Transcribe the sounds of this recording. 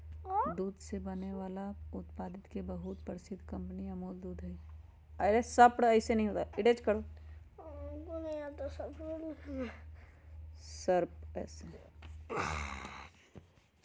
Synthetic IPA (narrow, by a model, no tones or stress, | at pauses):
d̪uːd̪sebɐneʋaːlaʊt̪paːd̪ɪt̪kebɐɦʊt̪pəɾɪsɪd̪ʱkɐ̃mpniɐmoːld̪uːd̪ɦɛ | ɐɾesɐpɽɐɪsenɐɦĩɦoːt̪aɪɖet͡ʃkɐɾoː | konɐɦĩat̪asɐɾpo | səɾpɛ̰ːse